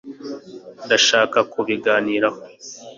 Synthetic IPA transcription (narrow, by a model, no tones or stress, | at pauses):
daʃaːkakuβiɡaːniːɾaho